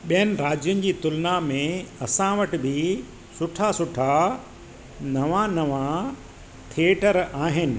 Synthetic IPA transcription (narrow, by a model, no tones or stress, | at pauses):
ɓijənɪ̆ɾaːd͡ʑjʊnɪ̆d͡ʑiːt̪ʊlnamẽɐsãʋəʈɪ̆bɪ | sʊʈʰasʊʈʰa | nɐʋãnɐʋã | t̪ʰeːʈəɾaːɦɪnɪ̆